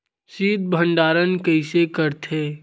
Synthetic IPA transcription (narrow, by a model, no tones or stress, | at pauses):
siːd̪̚bʱə̃ɳɖaːɾənkəɪsekəɾt̪ʰeː